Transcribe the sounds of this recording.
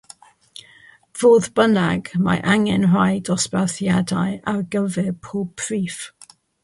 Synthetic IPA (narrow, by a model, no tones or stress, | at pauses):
v̥oːðbənaɡma̰ʔaŋɛnrajdɔspɛθjadajarɡəvɪpʰoːb̚pʰriːf